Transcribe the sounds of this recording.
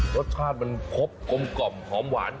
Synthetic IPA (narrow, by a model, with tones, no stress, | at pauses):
ɾo˦˥t̪̚t͡ɕʰaː˥˩t̪̚ma˧npʰo˦˥p̚ko˧mklɔ˨˩mhɔː˩˦˥mwaː˩˦n